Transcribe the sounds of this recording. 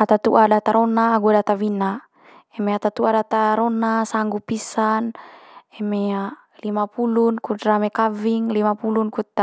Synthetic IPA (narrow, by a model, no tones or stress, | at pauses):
at̪at̪uʔadat̪aɾɔnaːɡuadat̪awina | ɛmeat̪at̪uadat̪aɾɔnasaŋɡupisanɛmea | limapulunkudɾamekaviŋlimapulunkut̪ːa